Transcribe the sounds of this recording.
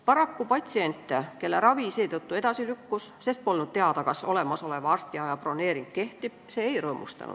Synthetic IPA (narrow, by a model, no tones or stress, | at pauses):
pɑɾɑkːupɑt̪ʲsie̞nʲt̪ːˑeke̞lːeɾɑvise̞ːt̪ɤt̪ːued̪ɑsilykːusse̞st̪̚po̞lnud̪̚t̪e̞ɑd̪ɑkɑso̞̰le̞mɑso̞le̞vɑɑst̪iɑjɑpro̞ne̞ːɾiŋk̚ke̞ht̪ib̥se̞ːjrɤːmṵst̪ɑ̰nṵd̥̪